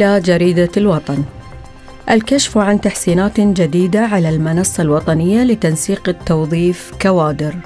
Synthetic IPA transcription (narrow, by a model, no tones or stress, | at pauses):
ɪlad͡ʒaɾiːd̪alwɑt̪ˤɑn | ʔalkaʃfʕant̪aħsiːnaːt̪d͡ʒad̪iːd̪aʕalalmɪnɑsˤːɑlwɑt̪ˤɑnɪjːalɪt̪ansiːqt̪ːɑwðˤiːfkawaːd̪ɪɾ